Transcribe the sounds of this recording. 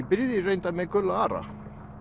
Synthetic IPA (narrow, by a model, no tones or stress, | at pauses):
pɪɾðɪrejnt̪amɛkœlaaːɾa̰